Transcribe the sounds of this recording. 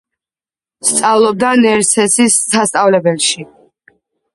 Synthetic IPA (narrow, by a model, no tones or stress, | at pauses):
st̪sʼavlˠɔb̚d̪anɛɾsɛsisːast̪ʼavlɛbɛlˠʃi